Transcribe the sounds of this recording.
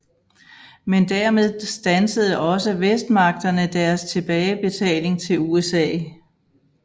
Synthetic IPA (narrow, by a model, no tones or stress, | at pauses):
mend̥æɐmeð̞ˠsd̥ænsəð̞ˠəʔɒ̽səʋesd̥̚mɑ̈ɡ̥̚d̥ɐnəd̥æɐst͡sʰe̝b̥ɛːɪb̥e̝t͡sʰɛ̰ːle̝ŋt͡sʰe̝luesɛ̰ː